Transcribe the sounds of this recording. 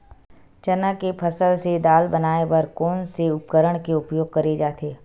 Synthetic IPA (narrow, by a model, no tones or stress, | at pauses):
t͡ʃɐnakepʰɐsəlsed̪aːlbɐnaːeʋɐɾkɔːnseʊp̚kəɾəɽ̃keʊpjoːɡ̚kɐɾed͡ʒaːt̪eː